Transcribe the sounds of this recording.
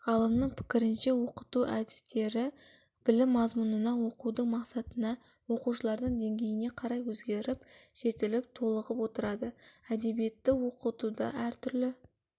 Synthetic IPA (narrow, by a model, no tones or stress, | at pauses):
ʁɑlˠəmnəɴpʰɪ̥kʲɪɾɪnʃe̞wo̞qə̥t̪uʔæd̪ɪ̥st̪e̞ɾɪ | b̥ɪlɪmːɑzmunənɑwo̞qud̪əɴmɑqsɑt̪ənɑ | wo̞quʃəlˠɑɾd̪əɴd̪e̞ŋɡʲe̞jɪne̞qʰɑɾɑjwɵzɡʲe̞ɾɪp̚ʒ̥e̞t̪ɪlɪp̚t̪ʰo̞lˠəʁəpwo̞t̪əɾɑd̪əæd̪e̞bije̞t̪ːɪwo̞qət̪ud̪ɑ̰æɾt̪ʰʏɾlɪ